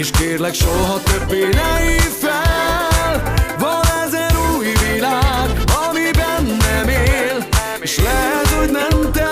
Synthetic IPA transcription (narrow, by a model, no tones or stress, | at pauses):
iʃkeːrlɛkʃoɦɒt̪øbːeːnɛifɛ | lvɒnɛzɛnuːjvilaːɡɒmibɛnːɛmeːl | eːʃlɛsoɟnɛmt̪ɛ